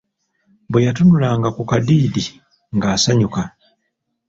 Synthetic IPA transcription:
bwejatunulaːŋɡakukadiːdi | ŋɡaːsaɲuka

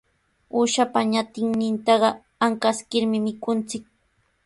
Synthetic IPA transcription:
uʃapaɲat̪ɪŋnɪnt̪ɑɢɑ | aŋkaskɪɾmɪmɪkʊnt͡sɪk̚

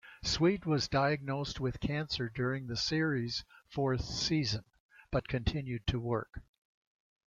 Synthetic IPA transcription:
swit̚wʌzdaɪɨɡ̚noʊst̚wɨð̥kʰæ̃nsə˞dʊɹɪ̃ŋðɨsɪɹiz̥fɔɹθsizɨ̃n | b̥ʌt̚kʰɨ̃ntʰɪ̃njʉd̚tʰəwɜ̰˞k

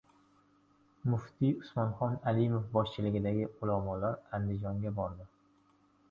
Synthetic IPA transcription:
mʊft̪ʰiʊsmɒnχɒnalɪmofbɒʃt͡ʃʰɪlɪɡʲɪd̪aɡʲɪʊlamɒlaɾand̪ɪd͡ʒɒŋɡʲabɒɾd̪ɪ

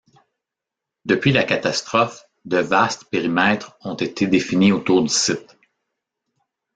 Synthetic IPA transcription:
d̪əpɥilakʲat̪ast̪χɔf | d̪əvast̪peʁimɛːt̪χɔ̃t̪et̪ʰed̪efiniot̪uːʁd̪y̥sɪt̪

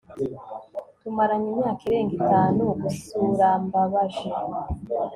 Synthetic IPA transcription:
tumaɾaɲimɲaːkiɾe̞ːŋɡitaːnuɡusuːɾambaβaʃe

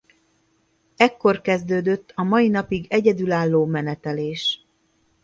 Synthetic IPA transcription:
ɛkːo̞rkɛzd̪øːd̪øt̪ːɒmɒinɒpiɡɛɟɛd̪ylaːlːoːmɛnɛt̪ɛleːʃ

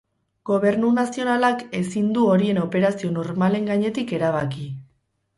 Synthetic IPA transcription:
ɡ̥o̞β̞e̞ɾnunasio̞nalake̞sind̪uo̞ɾie̞no̞pe̞ɾasio̞no̞ɾmale̞ŋɡaɲe̞t̪ike̞ɾaβ̞aki

